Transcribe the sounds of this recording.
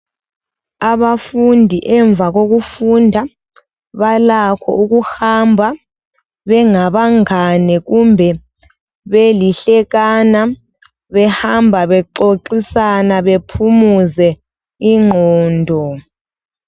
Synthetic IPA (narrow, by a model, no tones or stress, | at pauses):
aβafundʱiʔɛɱb̪vʱaɣoɣufundʱa | βalakʰɔ̰uɣuhambʱa | βɛŋaβaŋanɛɣumbʱɛ | βeliɬɛɣana | βɛhambʱaβɛǃoǃisanaβepʰumuzɛ | iŋ͡ǃʱɔːndʱɔ